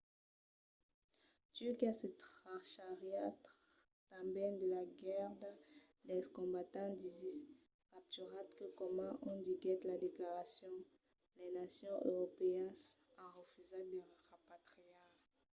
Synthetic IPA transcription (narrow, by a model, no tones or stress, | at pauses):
t̪yʁkiasət̪aʃaʁjat̪ | t̪ãbɛ̃nd̪əlaɡɛʁd̪ | d̪ɛskɔ̃bat̪ɑ̃d̪izis | kap̚t̪yʁat̪kəkɔmɑ̃ʔɔ̃d̪iɡɛt̪lad̪eklaʁasjɔ̃ | lɛnasjɔ̃ʔø̰ʁɔpeɛnsãʁəfyzad̪əʁapat̪χia